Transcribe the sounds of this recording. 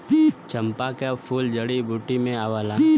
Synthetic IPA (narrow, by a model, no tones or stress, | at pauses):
t͡ʃə̃mpakapʰuːld͡ʒəɽibʱuːʈimẽaʋaːla